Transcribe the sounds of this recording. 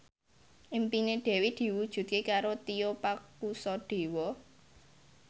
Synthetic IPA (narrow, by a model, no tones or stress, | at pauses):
ʔimpineɖ̪̥ɛ̤wed̪̥i̤wud̥ʒ̥ṳt̪̚kekaɾot̪iopakusɔɖ̥e̤wɔ